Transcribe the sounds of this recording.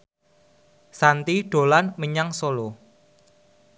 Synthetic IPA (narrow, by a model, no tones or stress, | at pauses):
sant̪iɖ̥o̤lanməɲaŋsolo